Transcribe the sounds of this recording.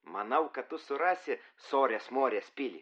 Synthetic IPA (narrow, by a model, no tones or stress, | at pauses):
mɐnɐʊkɐtt̪ʊsʊɾɑːsʲɪsoːɾʲeːsmoːɾʲeːspʲɪlʲi